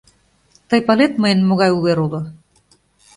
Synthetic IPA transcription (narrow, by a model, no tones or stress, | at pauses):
t̪ɤjpalet̪mɤjənmoɣɑjuβeɾulŏ